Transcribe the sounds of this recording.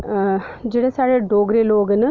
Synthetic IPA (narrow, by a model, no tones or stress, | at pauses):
d͡ʑiɽɐsaːɻɐɖoːɡɾeloːɡɐnɨ